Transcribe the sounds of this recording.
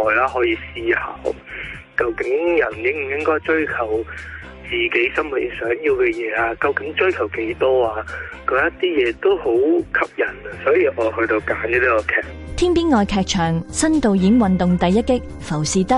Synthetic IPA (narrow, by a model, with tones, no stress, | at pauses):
ɔː˨˧jlaː˥ɦɔː˨˥jiː˨˧siː˧ha̰ː˨˧˥w | kɐ˧wkɪ˨˥ŋjɐ˨˩njɪ˥ŋm̩˨˩jɪ˥ŋkɔː˥jt͡ʃɵ˥ɥkʰɐ˨˩w | t͡siː˨ke˨˥jsɐ˥mwu˨t̚jɪ˨˩sœː˨˥ŋjiː˧wkɛː˧jɛː˨˧aː˧kɐ˧wkɪ˨˥ŋt͡ʃɵ˥ɥkʰɐ˨˩wke˨˥jt̪ɔː˥aː˧kɔ˨˧˥jɐ˥tt̪iː˥jɛː˨˧t̪o˥who˨˥wkʰɐ˨˥p̚jɐ˨˩n˨sɔː˨˥jiː˨˧ʔɔː˨˧hɵ˧ɥt̪o˧wkaː˨˥njɐː˥t̪i˥kɔ˧kʰɛː˧k̚t̪ʰiː˥npiː˥nŋɔː˨˧jkʰɛː˧k̚t͡ʃʰœː˨˩ŋsɐ˥nt̪o˧wjiː˨˥ŋwɐ˨nt̪ʊ˨ŋt̪ɐ˨jːɐ˥t̚kːɪ˥k̚ | fɐ˨˩wsiː˨˧t̪ɐ˥k